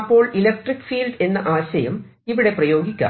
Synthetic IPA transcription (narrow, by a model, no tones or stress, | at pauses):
pːo̞ːɭilɐk̚ʈrikːfiːlɖe̞nːɐʔaːɕɐjɐm | iʋiɽe̞prɐjo̞ːɡikʲːa̰ː